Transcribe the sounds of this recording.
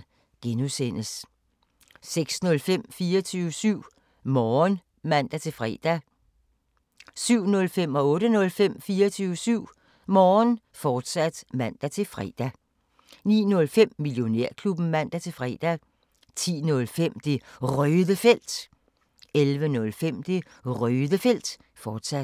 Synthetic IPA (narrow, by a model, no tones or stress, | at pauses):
ɡ̥enusen̰əs | seɡ̥snɔ̽lfem̰fiːɐt͡sʰyːʊəsyʊ̰ | mɒːn | mæn̰d̥æt͡sʰe̝lfʁɛ̰ːd̥æ | syʊ̰nɔ̽lfem̰ɒ̽ɔ̽ːɾənɔ̽lfem̰fiːɐt͡sʰyːʊəsyʊ̰ | mɒːn | fɒːd̥sæd̥mæn̰d̥æt͡sʰe̝lfʁɛ̰ːd̥æ | nḭːnɔ̽lfem̰mːiljo̝ne̝ɐ̰kʰlub̥n̩mæn̰d̥æt͡sʰe̝lfʁɛ̰ːd̥æ | t͡sʰḭːnɔ̽lfem̰d̥e̝ʁœːðˠəfel̰d̥ | elʋənɔ̽lfem̰d̥e̝ | ʁœːðˠəfel̰d̥ | fɒːd̥sæd̥